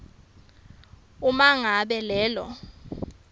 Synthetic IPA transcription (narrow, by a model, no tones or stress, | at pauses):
umaŋaɓɛlɛːlɔ̰